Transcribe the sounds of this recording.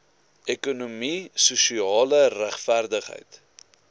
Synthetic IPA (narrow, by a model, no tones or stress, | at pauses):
ʔekunumisusiɑːləræχfærdəχɦə̰jt